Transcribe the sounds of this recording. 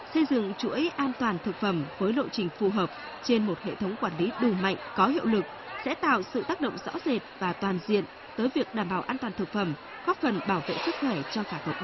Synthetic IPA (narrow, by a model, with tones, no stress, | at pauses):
sə˧jzɨ̰˧˨ŋt͡ɕṵ˧˥əjʔaː˧nt̪waː˨˩nt̪ʰɨ˨˩k̚fə˧˩mvəː˨˦jlo̰˧˨jt͡ɕï˨˩ŋ̟fu˨˩ɦəː˨˩p̚ | t͡ɕe˧nmo˨˩t̚hḛ˧˨t̪ʰə˨˦wŋ͡mkwaː˧˩nli˨˦ɗu˨˩ma̰˧˨jŋ̟kɔ˨˦hḭ˧əwlɨ˨˩k̚sɛ̰˧˥t̪a̰ː˧˨wsɨ̰˧˨t̪aː˦˥k̚ɗə̰˧˨ŋ͡mzɔ̰˧˥ze˨˩t̚vaː˨˩t̪waː˨˩nzḭ˧˨ən | t̪əː˨˦jvi˨˩ək̚ɗaː˨˧˩mɓaː˧˩wʔaː˧nt̪waː˨˩nt̪ʰɨ˨˩k̚fə˧˩m | ɣɔ˦˥t̚fə˨˩nɓaː˧˩wvḛ˧˨sɨ˦˥k̚xwɛ˧˩t͡ɕɔ˧kaː˧˩hə˨˩t̚